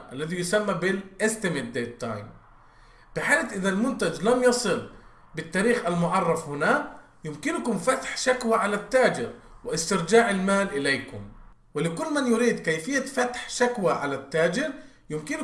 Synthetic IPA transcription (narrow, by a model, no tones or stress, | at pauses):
ʔalːaðijʊsamːabɪlʔɪst̪ɪmɪt̪̚d̪et̪ːa̰jm | b̥ɪħaːlat̪ʔɪðalmʊnt̪ad͡ʒlamjɑsˤɨl | bɪt̪ːaːɾiːxʔalmʊʕɑrˤːɑfhʊnaː | jʊmkɪnkʊmfat̪ħʃakwaʕalat̪ːaːd͡ʒɪɾwɪʔɪst̪ɪɾd͡ʒaːʕɪlmaːlʔɪlejkʊm | wɪlɪkʊlːmanjʊɾiːd̪kajfɪjːafat̪ħʃakwaʕalat̪ːaːd͡ʒɪɾ | jɪmkɪn